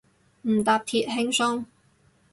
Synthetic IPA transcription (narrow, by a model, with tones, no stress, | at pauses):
m̩˨˩t̪aː˧p̚t̪ʰiː˧t̚ɦɪ˥ŋsɔ˥ŋ